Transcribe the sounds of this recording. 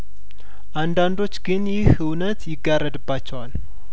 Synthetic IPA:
ʔand̪and̪o̞t͡ʃːɡɨnjɪhɨwnət̪jɪɡːarːəd̪ɨbːat͡ʃːɛwal

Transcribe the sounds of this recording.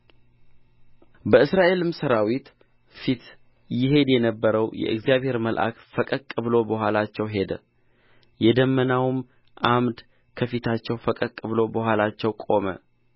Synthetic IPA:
bəɨsɾaʔe̞lɨmsəɾawit̪ | fit̪ | jɪɦe̞d̪jɛnəbːəɾəwjɛ̰ʔɨ̰ɡzijaβhe̞ɾməlʔa̰kfəkʼəkʼɨβlo̞bəɦʷalat͡ʃːɛwɦe̞d̪ə | jɛd̪əmːənawɨm | ʔamd̪ | kʰəfit̪ʰat͡ʃːɛwfəkʼəkʼːɨβlo̞bəhʷalat͡ʃːɛwkʼo̞mə̰

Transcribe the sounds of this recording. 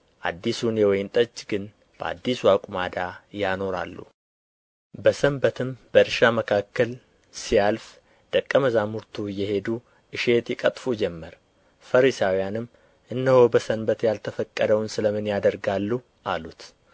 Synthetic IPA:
ʔa̰d̪ːisunjɛwɔjnt̪ʼət͡ʃʼːɡɨn | b̥əa̰d̪ːiswakʼumad̪ajano̞ɾa̰lːṵ | bəsəmbət̪ʰɨmbəɨɾʃaməkʰakːəl | sijalf | d̪̥əkʼːəməzamuɾt̪ʰujːɛɦe̞d̪u | ʔɨʃe̞t̪jɛkʼət̪ʼfud͡ʒɛmːəɾ | fəɾisawijanɨm | ʔɨnːəhobəsənbət̪jalt̪ʰəfəkʼːəd̪əwnsɨləmɨnjad̪əɾɡalːu | ʔalut̪

